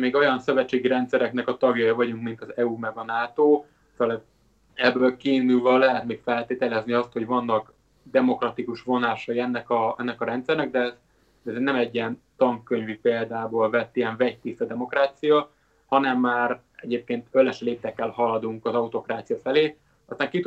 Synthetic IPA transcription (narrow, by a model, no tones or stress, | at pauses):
meːɡo̞jɒnsøvɛt͡ʃːeːɡiɾɛnt̪sɛɾɛknɛkɒt̪ɒɡjɒjivɒɟuŋkmint̪ɒzɛumɛɡɒnaːt̪oː | slɛ | ɛbːøːlkiːnylvɒlːɛɦɛt̪meːkfɛlt̪eːt̪ɛlɛzniɒst̪ho̞ɟvɒnːɒk | d̪ɛmo̞krɒt̪ikuʃvo̞naːʃɒjiɛnːɛkɒɛnːɛkɒɾɛnt̪sɛrnɛɡ̚d̪ɛz | d̪ɛɛzenɛmɛɟːiɛnt̪ɒŋkːøɲvipeːld̪aːboːlvɛt̪ːiɛɱvɛct̪ist̪ɒd̪ɛmo̞kɾaːt̪sijɒ | hɒnɛmːaːr | ɛɟeːp̚keːnt̪ølɛʃleːt̪ɛkːɛlhɒlɒd̪uŋkɒzɒut̪o̞kɾaːt̪sijɒfɛleː | ɒst̪aːŋkit̪